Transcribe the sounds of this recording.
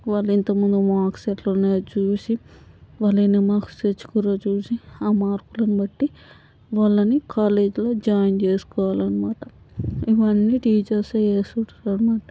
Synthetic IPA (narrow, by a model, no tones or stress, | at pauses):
ʋaːlːɐint̪ɐmund̪umaːkseʈloːneːt͡ʃuːsiʋaːlːenemaːku̥set͡ʃːu̥kuɾoːt͡ʃuːsiaːmaːɾkulɐnibɐʈːi | ʋaɭːɐnikʰaːle̞ːd͡ʒloːd͡ʒaːjnt͡ʃe̞ːsu̥kɔːʋaːlɐnimaːʈɐ | iʋɐɳːiːʈiːd͡ʒɐɾseeːsuʈɐɾɐnimaːʈɐ